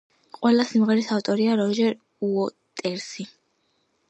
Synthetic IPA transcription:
qʼwɛlasimʁɛɾisaft̪ʼɔɾiaɾɔʒɛɾ | uɔt̪ʼɛɾsi

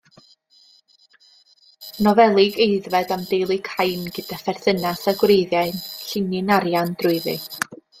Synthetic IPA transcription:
nɔvɛlˠɪɡejðvɛdamdejlˠɨkʰajnɡɪd̥afɛrθənasaɡwreɨðjaɨnɬɪnɪnaɾjand̥rʊɨðɨ̰

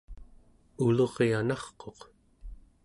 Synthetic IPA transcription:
ulo̞ʁeanɑχqo̞q

